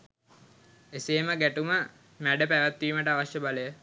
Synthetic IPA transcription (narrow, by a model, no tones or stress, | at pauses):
eseːməɡæʈumə | mæɖəpæʋæt̪ːiːməʈəaʋaʃjəbaləjə